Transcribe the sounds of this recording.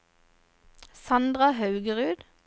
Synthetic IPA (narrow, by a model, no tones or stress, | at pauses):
sɑnd̪ʁɑhɑʉɡəʁʉːd̪̥